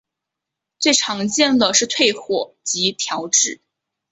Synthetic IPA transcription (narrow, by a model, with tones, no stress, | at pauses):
t͡swe˥˩ɪʈ͡ʂʰɑ˧˥ŋt͡ɕjɛ˥˩nd̪ə˨˩ʂɻ̩˥˧t̪ʰwe˥˩ɪxwɔ˨˩t͡ɕi˧˥t̪ʰjɑ˧˥ʊʈ͡ʂɻ̩˥˩